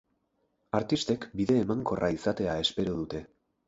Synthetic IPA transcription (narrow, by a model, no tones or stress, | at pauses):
aɾt̪ist̪e̞kbiðe̞ːmaŋko̞rʔaisat̪e̞ae̞spe̞ɾoð̞ut̪e̞